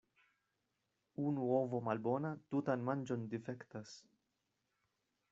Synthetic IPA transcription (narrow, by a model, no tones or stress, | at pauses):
uːnuɔːvɔmɐlbɔːnɐt̪uːt̪ɐnmɐnd͡ʒɔnd̪ifɛkt̪ɐs